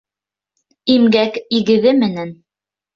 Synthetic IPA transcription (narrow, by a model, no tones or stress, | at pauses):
imɡækiɡɘ̆ðɘmɘ̆næn